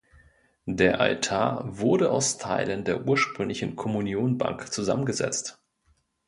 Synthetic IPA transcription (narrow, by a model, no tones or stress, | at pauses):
deːɐʔa̰ltʰaːɐvʊɐdəʔa̰ʊstʰa̰ɪləndeːɐʔuːɐʃpʁ̥ʏŋlɪçn̩kʰɔmunjoːnba̰ŋkt͡suza̰mənɡəzɛ̰t͡st